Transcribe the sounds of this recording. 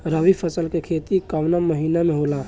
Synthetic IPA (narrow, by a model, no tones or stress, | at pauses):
ɾaʋipʰəsəlkekʰeːt̪ikaʋnaməɦiːnamẽɦoːla